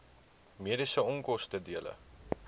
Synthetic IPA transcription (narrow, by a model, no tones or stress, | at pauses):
miəɾisəɔŋkɔstədiələ̰